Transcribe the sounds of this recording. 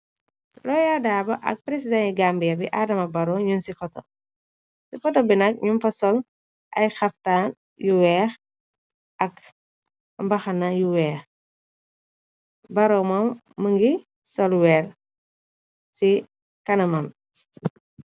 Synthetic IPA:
lɔjadaːbɐʔɐ̰k̚pɾesidɛniɡambijɐbḭʔadɐmɐbɐɾɔɲunsifɔtɔ̰ | sifɔtɔbinɐk̚ɲumfɐsɔl | ʔɐ̰jxɐftaːn | juwɛːx | ʔɐk | mbɐxɐnɐjuwɛːx | bɐɾɔmɔmː | əŋɡi | sɔlwɛːr | si | kɐnɐmɐn

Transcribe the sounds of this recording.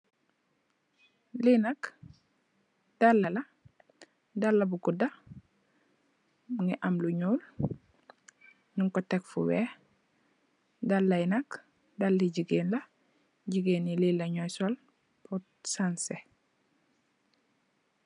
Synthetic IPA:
linɐk | d̥alːɐlɐ | dalːɐbukudɐ | uŋɛʔamluɲuːl | ɲuŋkotekfṵwɛ | dalːɐjnɐk | dalːiɟiɡeːnlɐ | ɟiɡeːnililːɐɲɔjsɔl | pɔ | sanse

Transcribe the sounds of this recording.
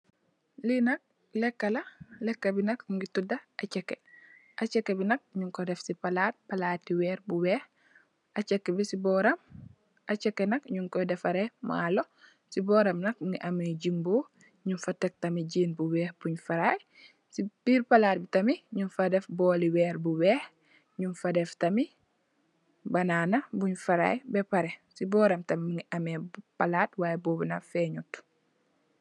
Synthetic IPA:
linɐk̚ | lɛkːɐlɐlɛkːɐbinɐkŋɡitudɐʔat͡ʃɛkːeʔɐt͡ʃɛkːebinɐk̚ɲuŋkɔdɛfsipalaːt̚pɐlaːtːiwɛːɾbuwɛːh | ʔɐt͡ʃɛkːbisibɔɾɐm | ʔɐt͡ʃɛkːenɐkɲuŋkɔdɛfɐɾema̰ːlo | sibɔːɾɐmnɐk̚ŋɡiʔɐmeɟimboː | ɲunfatɛk̚tɐmiɟiːnbuwɛːhbuɲfaɾaj | sib̥iːɾpalaːt̚bitɐmiɲunfadefbɔːliwɛːɾbuwɛːh | ɲunfadɛftɐmi | banaːnɐbuɲfaɾa̰jbɛpaɾesibɔːɾamtɐmːiŋiʔɐmepalaːtwaːjebobunafɛɲut

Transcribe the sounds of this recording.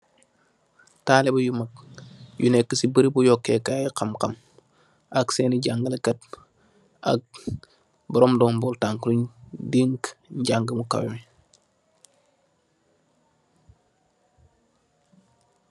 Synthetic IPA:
taːlebujumak̚junekːəsibəɾibujokːekaikamkam | akseːniɟaŋɡəlekat̚ | a̰k̚ | bɐɾomdombultaŋkɾuɲdiŋkɲɟaŋɡəmuka̰wḭmi

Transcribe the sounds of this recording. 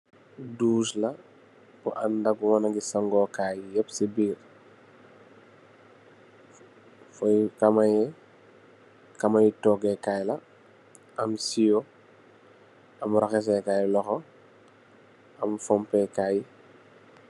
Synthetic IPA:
duːʃlɐ | buʔɐndɐɡuwɔnɐɡisɐŋɡɔːkajjɛpsibiːr | fɔjkamɐjɛ | kɐmajitɔɡɛkajlɐ | ɐmsijɔ | ɐmɾɐxɛs̬ɛkaːjlɔxɔ | ɐmfɔmpɛkaːji

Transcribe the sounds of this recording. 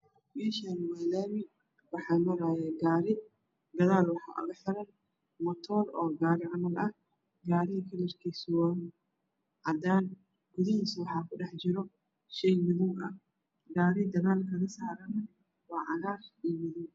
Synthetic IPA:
biʃɐnwalaːmɪ | wɑħɑːmɐɾaːjɛɡaːɾɪ | ɡɐðaːlwɑħɑ̰ːʔʊ̰ɣɐħɪɾɐn | mɐt̪ʰɔːlɔːɡaːɾɪʕɑmɐlɐh | ɡaːɾɪɦikʰɐlɪrkʰiswɔn | ʕɑd̪aːn | ɡ̥ʊðɪɦiːswɑħɑːkʰʊɖɛħt͡ʃɪɾɔ | ʃɛjmɪðʊŋʔɐ̰ | ɡaːɾɪd̪ɐɣaːlkʰɐɣɐsaːɾɐnɐ | wɑːʕɑɣaːriːmɪðʊŋ

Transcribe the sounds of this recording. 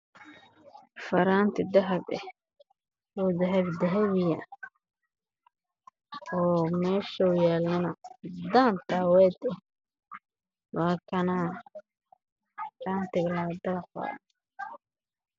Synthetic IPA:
fɐɾaːnt̪ʰɪd̪ɐɦɐbɛ̰h | uːd̪ɐɦɐβd̪ɐɦɐβɪjɐ̰ | ɔːmɛːʃɐʊjɛːlɐnɐd̪aːnt̪ʰaːwɛːd̪ɛ | waːkʰɐna | kaːnt̪ʰɪɡlɐd̪ɐqɔ̰ː

